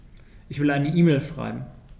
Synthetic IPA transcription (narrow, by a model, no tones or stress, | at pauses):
ʔɪçv̥ɪlʔaɪnəʔiːmelʃʁ̥a̰ɪbm̩